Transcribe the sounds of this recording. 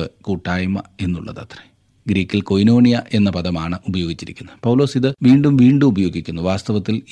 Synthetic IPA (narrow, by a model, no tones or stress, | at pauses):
ɨkuʈːaːjmɐ̰e̞nːuɭːɐ̰ðɐt̪re | ɡɾiːkʲːilko̞jno̞ːɳijɐʔe̞nːɐpɐðɐmaːɳɨʔubɐjo̞ːɡit͡ɕːiɾikʲːunːɐpɐwlo̞ːsiðɨʋiːɳɖumʋiːɳɖumubɐjo̞ːɡikʲːunːuʋaːst̪ɐʋɐt̪ːil